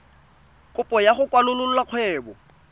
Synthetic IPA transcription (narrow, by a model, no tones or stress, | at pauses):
kʼʊpʼɔjaχʊkʼwalʊlʊlʊlaq͡χʰwɛːbɔ